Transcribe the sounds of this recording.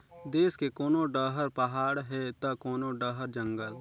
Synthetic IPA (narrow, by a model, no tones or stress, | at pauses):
d̪eːskekoːnõɖəɦəɾpəɦaːɽɦɛt̪əkoːnõɖəɦəɾd͡ʒə̃ŋɡəl